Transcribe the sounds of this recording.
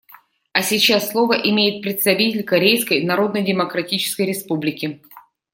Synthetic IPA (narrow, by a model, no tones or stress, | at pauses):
ɐsʲɪt͡ɕasːlˠo̞vəʔɪmʲejɪt̪̚pɾʲɪt̪st̪ɐvʲitʲɪlʲkɐɾʲejskəjnɐɾo̞d̪nəjdʲɪməkɾɐtʲit͡ɕɪ̥skəjɾʲɪspublʲɪkʲɪ